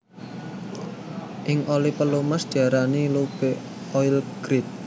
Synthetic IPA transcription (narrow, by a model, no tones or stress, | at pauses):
ʔɪŋʔolipəlumasd̪̥iaɾanilub̥e | ɔjlɡ̥ɾɪt̪̚